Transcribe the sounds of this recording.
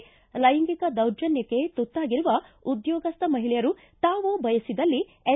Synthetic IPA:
lɐjɐŋɡikɐd̪ɐwd͡ʒɐnjɐkːe̞t̪ut̪ːaːɡiɾuʋɐud̪jɔːɡɐst̪ɐmɐɦilɛjɐɾu | t̪aːʋubɐjɐsid̪ɐlːi | e

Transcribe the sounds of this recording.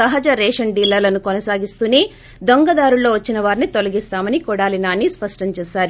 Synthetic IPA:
ɐɦɐd͡ʒɐɾɛːʂɐɳɖiːlːɐlɐnukɔnɐsaːɡist̪uneː | d̪oŋɡɐd̪aːɾulːo̞ːʋɐt͡ʃːinɐʋaːɾinit̪olɐɡist̪aːmɐnikɔɽaːlinaːnːispɐʂʈɐɲt͡ʃɛːsaːɾu

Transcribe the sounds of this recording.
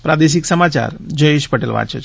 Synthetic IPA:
pɾad̪eʃ̬iksəmat͡ʃa̰ɾd͡ʒəeʃpəʈelʋa̰t͡ʃet͡ʃʰ

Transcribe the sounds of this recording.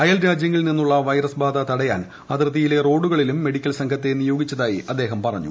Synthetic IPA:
ɐjɐlɾaːd͡ʑjɐŋːɐɭninːuɭːɐʋɐjɾɐsbʱaːd̪ɐt̪ɐɽɐjaːn | ɐd̪rɐðijile̞ro̞ːɽuɣɐɭilumːe̞ɽikʲːɐlsɐŋkʰɐt̪ːe̞nijo̞ːɡit͡ɕːɐðaːjiʔɐd̪ːe̞ːɦɐmpɐrɐɲːṵ

